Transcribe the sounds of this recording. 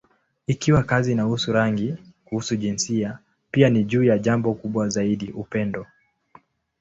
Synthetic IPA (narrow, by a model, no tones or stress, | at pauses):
ikiwakazinahusuɾaŋɡikuhusuʄinsia | pianiʄuːjaʄambɔkuɓwazaiɗiʔupɛndɔ